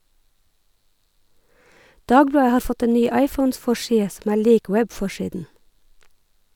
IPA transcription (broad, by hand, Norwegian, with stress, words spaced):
ˈdɑːɡˌblɑːə ˈhɑːɾ ˈfɔt ə ˈnyː ˈɑɪfɔnˌsfɔˌʃiːə ˈsɔm ˈæːɾ ˈliːk ˈwɛbˌfɔˌʃiːdn̩